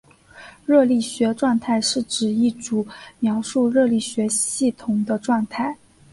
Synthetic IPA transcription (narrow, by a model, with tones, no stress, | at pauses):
ɻɤ˥˧li˥˩ɕɥɛ˧˥ʈ͡ʂwɑ˥˧ŋt̪ʰa˥˧ɪʂɻ̩˥˩ʈ͡ʂɻ̩˨˩i˥˩ʈ͡ʂu˨˩mjɑ˧˥ʊʂu˥˧ɻɤ˥˧li˥˩ɕɥɛ˧˥ɕi˥˩t̪ʰʊ˨˩ŋd̪ə˧ʈ͡ʂwɑ˥˧ŋt̪ʰa˥˩ɪ